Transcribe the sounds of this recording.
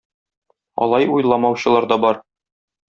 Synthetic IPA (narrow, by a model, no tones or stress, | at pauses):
ɒ̰lˠɑjujlˠɑmɑwɕɤ̆lˠɑɾd̪ɒbɒɾ